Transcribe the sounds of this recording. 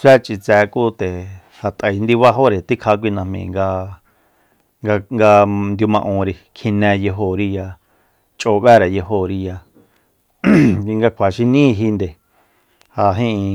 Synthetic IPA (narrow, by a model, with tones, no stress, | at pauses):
sʷɛ˦t͡ʃʼi˧t͡sɛː˧kuː˦t̪e˨ | ha˨t̪ʼə˨i˧nd̪i˧βa˦ɦo˦ɾe˨t̪i˦kʰa˧˦k̬ʷi˧nã˧hmḭ̃˨ŋɡa˧ | ŋɡa˧ŋɡa˧nd̪ju˧mã˧ʔõ˧ɾi˧kʰĩ˧nɛ̃˧je˧ɦo˧˨ɾi˦ja˧ | t͡ʃʼoː˧˨βɛ˦ɾe˨je˧ɦo˧˨ɾi˧ja˧ | ŋɡa˧kʷʰa˨ʃi˧nĩː˦˧ɦi˧nd̪e˨ | ha˧ɦĩ˦˧